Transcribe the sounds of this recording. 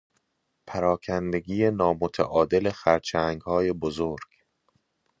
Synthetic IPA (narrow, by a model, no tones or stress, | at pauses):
pʰæɾɒːkʰænd̪e̞ɡiːjenɒːmot̪ʰæ̰ʔɒːd̪e̞le̞xæɾt͡ʃʰæŋɡhɒːje̞bozoɾɡ̥